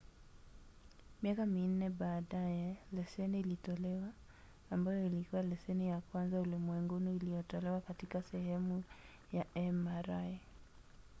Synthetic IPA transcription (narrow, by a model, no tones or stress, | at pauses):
miakamin̩nɛɓaːɗajɛlɛsɛniːlitɔlɛwaː | mbajɔilikuwalɛsɛnijakwanzaulimwɛŋɡunuilijɔtɔlɛwakatikasɛhɛmu | jaɛmaɾa